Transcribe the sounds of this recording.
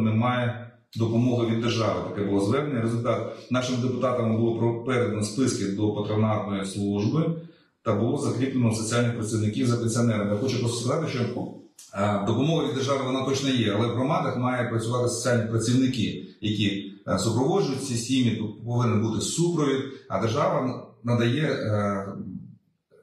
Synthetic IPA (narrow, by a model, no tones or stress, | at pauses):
nɛmɑjɛ | d̪ɔpɔmɔɦɪʋʲid̪ːerʒɑʋɪt̪ɐkɛbʊlˠɔzʋɛɾnɛnʲɛɾezʊlʲt̪ɑt̪nɑʃɪmd̪epʊt̪ɑt̪ɐmmbʊlˠɔpɾɔpɛɾd̪nɐspɪskɪd̪ɔpɐt̪ɾɔnɑt̪nɔjislˠuʒbɪ | t̪ɐbʊlˠɔzɐkɾʲiplˠɪnɔsɔt͡sʲialʲnɪxpɾɐt͡sʲiwnɪkʲiwzɐpenʲsʲiɔnɛɾɐmjaxɔt͡ʃɛpɾɔsskɐzɑt̪ɪʃt͡ʃɔ | d̪ɔpɔmɔɦɐʋʲid̪ːerʒɑʋɪʋɔnat̪ɔt͡ʃnɔjɛɐlˠɛʋɦɾɔmɑd̪ɐxmɑjɛpɾɐt͡sʲʊʋɑt̪ɪsɔ̥t͡sʲialʲnʲipɾɐt͡sʲiwnɪkɪjɐkʲisʊpɾɔʋɔʒʊjʊt̚ʲsʲisʲtʲijnʲipɔʋɪnɪnbut̪ɪsupɾɔʋʲid̪ɐ̰d̪erʒɑʋɐnnɐd̪ɐjɛ